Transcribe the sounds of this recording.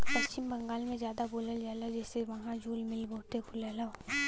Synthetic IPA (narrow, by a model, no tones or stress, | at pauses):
pɐst͡ʃɪmbə̃ŋɡaːlmẽzjaːd̪aboːləld͡ʒaelad͡ʒɛːseʋɐɦãd͡ʒʱuːlmɪlboːt̪ekʰʊlɛla